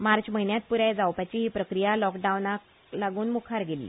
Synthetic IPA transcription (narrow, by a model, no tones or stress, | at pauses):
maɾt͡ɕməɦinjat̪̚puɾajd͡zawpat͡ɕiɦiːpɾəkɾijalɔkɖaunak | laɡuːnmukʰaɾɡelḭ